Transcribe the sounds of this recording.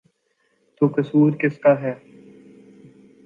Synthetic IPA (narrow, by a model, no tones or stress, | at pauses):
t̪oːkɐsuːɾkɪskaːɦɛː